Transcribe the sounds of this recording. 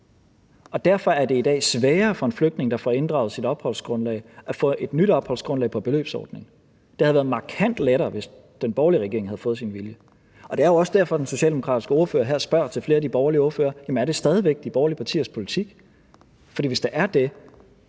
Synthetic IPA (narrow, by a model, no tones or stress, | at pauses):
ɒ̽d̥æɐfɒ̽æɐde̝id̥ɛ̰ːsʋɛːɐfɒ̽e̝nfløɡ̥̚d̥ne̝ŋ̩d̥ɑ̈fɒe̝nd̥ʁɑ̈ʊð̩ˠsiɾ̥ɒ̽b̥hɒ̽l̰sɡ̥ʁɔ̽nlɛ̰ɪʔæfɔ̰̽ːʔe̝d̥nyɾ̥ɒ̽b̥hɒ̽l̰sɡ̥ʁɔ̽nlɛ̰ɪpʰɒ̽b̥e̝lø̰ːb̥sɒ̰ːd̥ne̝ŋ | d̥e̝hæðˠʋæːɐð̩ˠmɑ̈kʰæn̰d̥leɾɐːʋe̝s | d̥enb̥ɒʊliəʁɛɡ̥ḛɐeŋhæð̩ˠfɔ̽ːð̩ˠsinʋiljə | ɒ̽d̥e̝æɐjo̝ɒ̽səd̥æɐfɒ̽d̥enso̝ɕɛ̰ːld̥emo̝kʰʁɑ̈ːdisɡ̥əo̝ɐfø̰ːɐɦæɐ̰sb̥ɶɐ̰t͡sʰe̝lfle̝ːɐd̥ib̥ɒʊɐlio̝ɐfø̰ːɐjæmenæɐɾ̥e̝sd̥ɛːð̞ˠiʋeɡ̥̚d̥ib̥ɒʊɐliəpʰɑ̈t͡sʰḭːɐspʰo̝lit͡sʰiɡ̥ | fɒdḭːʋe̝sd̥eʔæɐd̥e̝